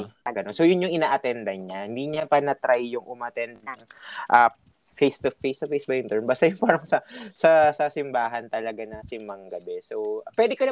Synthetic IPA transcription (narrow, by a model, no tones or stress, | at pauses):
ɐɡɐnonsojʊnɲʊŋʔɪnaːʔɐt̪ɛnd̪ɐɲahɪnd̪iːɲɐpɐnɐt̪ɾajːʊŋʔʊmɐt̪ɛnd̪̚nɐŋʔɐ | fejst̪ofejst̪ɔfejsbɐjʊŋt̪ɛɹmbaːst̪ajʊŋpaːɾɐŋsɐsɐsasɪmbaːɦɐnt̪ɐlɐɡanɐsɪmːɐŋɡɐbɛsopwɛd̪ɪkɐn